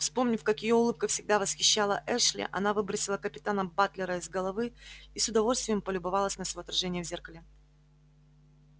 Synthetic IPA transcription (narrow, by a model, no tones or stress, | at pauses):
fspo̞mnʲɪfkɐkɪjoʊlˠɨp̚kəfsʲɪɡ̚d̪avəsxʲɪɕːalˠəʔɛʂlʲɪ̰ʔɐ̰navɨbɾəsʲɪlˠəkəpʲɪt̪anəbat̪lʲɪɾəɪzɡəlˠɐvɨisʊd̪ɐvo̞lʲst̪vʲɪjəmpəlʲʊbɐvalˠəsʲnəsvoːt̪ɾɐʐɛnʲɪjəvzʲerkəlʲɪ